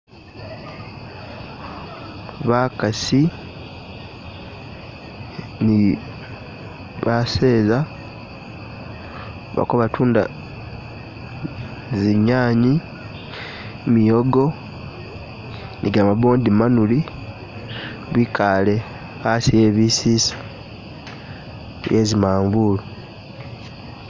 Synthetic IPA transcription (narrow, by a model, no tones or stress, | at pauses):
βakasi | ni | βaseːza | βa̰koβatʰuːnda̰ | ziɲaːɲi | mijoɡo̞ | niɡamaboːndimanuli | βikʰale̞ | asieːβisisḁ | jezimaːɱbulu